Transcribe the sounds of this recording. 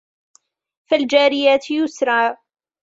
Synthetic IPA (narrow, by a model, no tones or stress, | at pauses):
fald͡ʒaːɾɪjaːt̪jʊsɾˤɑː